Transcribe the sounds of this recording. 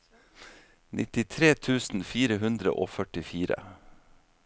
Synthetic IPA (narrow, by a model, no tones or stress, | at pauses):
nʔɪ̰t̪ɪt̪ʰɾeːt̪ʰʉːsn̩fiːɾəɦʉnd̪ɾə̰ʔo̰ːfœʈɪfiːɾə̰